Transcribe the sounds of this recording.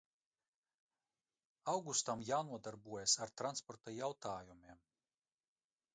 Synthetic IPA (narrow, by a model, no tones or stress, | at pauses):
awɡust̪amjaːnuɔd̪aɾbuɔjasaɾt̪ɾanspɔɾt̪ajawt̪aːjumiɛm